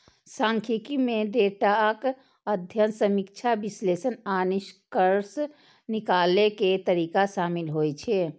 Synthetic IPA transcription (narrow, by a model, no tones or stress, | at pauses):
sãːŋkʰikimẽɖeːʈak | əd̪ʱjənsəmikt͡ʃʰabɪsleːsənaːnɪʃkəɾs | nɪkaːleket̪əɾiːkaʃaːmɪlɦoːit͡ʃʰe